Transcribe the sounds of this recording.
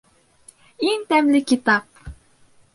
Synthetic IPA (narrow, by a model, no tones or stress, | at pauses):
iŋt̪æmlɪkʲit̪ɑp̚